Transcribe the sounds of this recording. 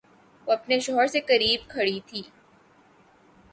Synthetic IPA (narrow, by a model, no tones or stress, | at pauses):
oɐpneʃɔɦəɾsekɐɾiːb̚kʰɐɽit̪ʰiː